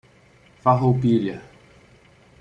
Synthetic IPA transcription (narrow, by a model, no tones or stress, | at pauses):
faɦowpiljɐ